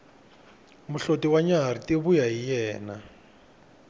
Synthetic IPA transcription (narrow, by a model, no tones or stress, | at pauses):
muɬotiwaɲaɦaɾitiβujaɦijɛːna